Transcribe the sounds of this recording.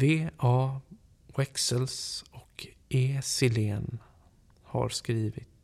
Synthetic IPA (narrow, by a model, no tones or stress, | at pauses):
veːɑː | wɛksəlsɔkʰ | eːsɪleːn | ha̰ɾskɾiːvɪt̪